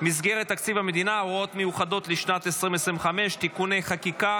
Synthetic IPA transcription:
mizɡeʁet̪ːakt͡sivhame̞d̪inaoot̪mejuχad̪o̞t̪liʃnat̪esʁimesʁimveχame̞ʃt̪ikuneχakika

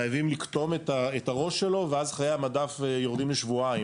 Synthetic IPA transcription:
ajavimlikt̪o̞met̪aetaʁo̞ʃːelo̞veazaχaʁejamadafejoʁd̪imleʃvuai

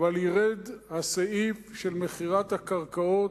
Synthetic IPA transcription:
valjiʁed̪haseifʃelmeχiʁat̪hakaʁkao̞t

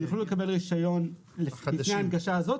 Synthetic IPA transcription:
jaχolulekabe̞lʁiʃajo̞n | lineaanɡaʃaːzo̞t̪

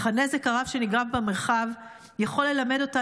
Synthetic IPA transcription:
χanezekaʁavʃe̞niɡʁavbemeʁχav | jaχo̞lːe̞lame̞do̞ta

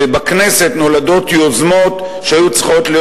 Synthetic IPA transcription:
ebakne̞se̞tno̞lado̞tjo̞zmo̞t̪ | ʃehajut͡sχo̞t̪lij

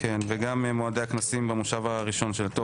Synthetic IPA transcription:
kenveɡammoadeaknasimbamoʃavaʁiʃo̞nʃelt̪o

